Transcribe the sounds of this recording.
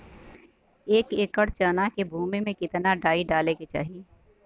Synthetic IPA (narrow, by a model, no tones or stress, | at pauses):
eːkeːkəɽt͡ʃaːnakebʱuːmemẽkɪt̪naɖaːiɖaːleket͡ʃa̰ːɦi